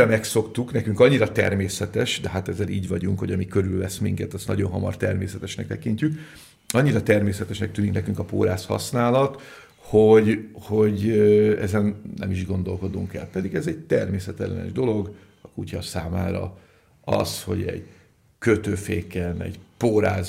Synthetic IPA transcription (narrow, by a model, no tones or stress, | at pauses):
mɛkso̞kt̪uknɛkyŋkɒɲːiɾɒt̪ɛ̰rmeːsɛt̪ɛʃd̪ɛɦat̪ɛzɛɾʔiːɟʋɒɟuŋkho̞ɟɒmikø̞ɾylvɛsmiŋkɛt̪ɒst̪nɒɟo̞̰nɦɒmɒ̰rt̪ɛrmeːsɛt̪ɛʃnɛk̚t̪ɛkiɲcyk | ɒɲːiɾɒt̪ɛrmeːsɛt̪ɛʃnɛk̚t̪yːniknɛkyŋkɒpo̰ːɾaːshɒ̰snaːlɒt̪ | hoɟho̞ɟøɛzɛnnʔɛmiʒɡo̞nd̪o̞lko̞d̪uŋkɛ̰lpɛd̪iɡɛzɛɟ̚t̪ɛrmeːsɛt̪ɛlːɛ̰nɛ̰ʒd̪o̞lo̞ɡ | ɒkucɒsaːmaːɾɒ̰ | ɒ̰sho̞̰ɟɛ̰ɟ̥ | køt̪øːfeːkɛnɛ̰ɟpoːɾaːz